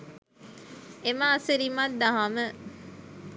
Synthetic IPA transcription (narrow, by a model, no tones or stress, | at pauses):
emaːsəɾimad̪aɦamə